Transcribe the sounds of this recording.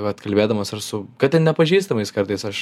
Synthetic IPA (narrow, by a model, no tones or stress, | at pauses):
ɐt̪kɐlʲbʲeːd̪ɐmɐsɐrsʊkɐt̪̚t̪ʲɛnnʲɛpɐʒʲiːst̪ɐmɐɪskɐɾt̪ɐɪsɐʃ